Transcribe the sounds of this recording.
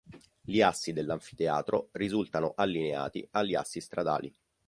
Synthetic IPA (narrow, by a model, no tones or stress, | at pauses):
ʎiasːid̪elːaɱfi̥t̪ea̰ːt̪ɾorizult̪anoʔalːinea̰ːt̪ḭalːia̰sːist̪ɾad̪a̰ːlḭ